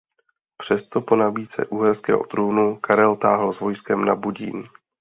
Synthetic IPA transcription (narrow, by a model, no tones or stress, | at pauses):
pr̝̥ɛst̪o̞po̞naviːt͡sɛ̰ʔuɦɛrskɛːɦo̰t̪ɾuːnukaɾɛlt̪aːɦl̩zvo̞jskɛmnabuɟḭːn